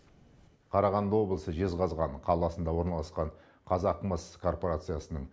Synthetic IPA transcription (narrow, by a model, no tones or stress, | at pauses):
qʰɑɾɑʁɑnd̪əwo̞blˠəsəʒe̞zʁɑzʁɑɴqʰɑlˠɑsənd̪ɑwo̞ɾnɑlˠɑsqɑɴ | qʰɑzɑqməskʰo̞rpoɾat̪sɨjasənəɴ